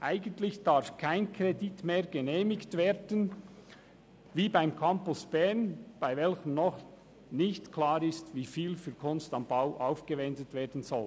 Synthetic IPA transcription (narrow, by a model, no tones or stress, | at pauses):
ʔaɪɡəntlɪçd̥aʁɾfkʰaɪnkʰʁeditmeːɡ̥ənɛːmɪçtveːdən | viːbaɪmkʰampʊsb̥ɛnb̥aɪvɛlçəmnɔχ | nɪçtkʰlaːɾɪstviːfiːlfyːkʰʊnstɑmbaʊʔaʊfɡ̥əvɛndətv̥eːdn̩zɔl